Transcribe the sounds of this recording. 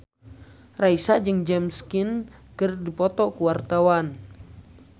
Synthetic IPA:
raisad͡ʒɨŋd͡ʒɛmskinkərdipɔt̪ɔkuwart̪awan

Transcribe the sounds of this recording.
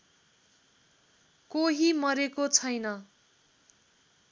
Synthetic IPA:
koɦimʌɾekot͡sʰʌjnʌ

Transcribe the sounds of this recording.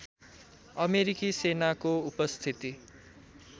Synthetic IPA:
ʌmeɾikisenakoupʌst̪ʰit̪i

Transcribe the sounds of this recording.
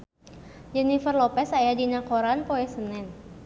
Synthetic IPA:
d͡ʒɛnifərlɔpɛsajadinakoɾanpoɛsənɛn

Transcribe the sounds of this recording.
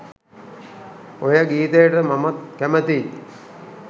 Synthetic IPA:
ojəɡiːt̪ejəʈəmamat̪̚kæmət̪i

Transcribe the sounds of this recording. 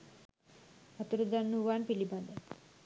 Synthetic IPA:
ət̪uɾud̪anːuʋaɳpiliband̪a

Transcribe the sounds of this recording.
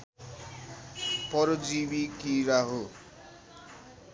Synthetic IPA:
pʌɾod͡zibikiɾaɦo

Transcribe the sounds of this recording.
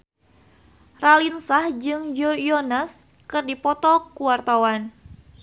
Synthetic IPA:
ralinsahd͡ʒɨŋjoijɔnas | kɨrdipɔt̪ɔkuwart̪awan

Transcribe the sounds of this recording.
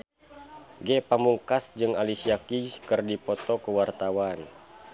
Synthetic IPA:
ɡɛpamuŋkasd͡ʒɨŋalisiakikɨrdipɔt̪ɔkəwart̪awan

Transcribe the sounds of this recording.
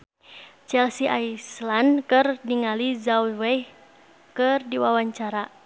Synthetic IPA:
t͡ʃɛlsiʔajslankɨrdiŋalizaulwɛj | kɨrdiwawaɲt͡ʃaɾa

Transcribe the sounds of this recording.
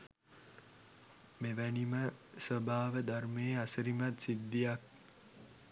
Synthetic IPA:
meʋæniməsəbʱaːʋəd̪armeːasəɾimat̪sid̪ːijak̚

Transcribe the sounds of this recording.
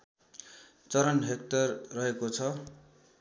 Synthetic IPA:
t͡sʌɾʌnɦek̚t̪ʌrːʌɦekot͡sʰʌ

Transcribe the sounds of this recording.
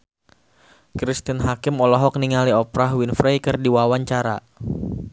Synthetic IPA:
kɾist̪inɦakɪmɔlɔɦɔk̚niŋaliɔpɾaɦwinfɾejkɨrdiwawaɲt͡ʃaɾa̰

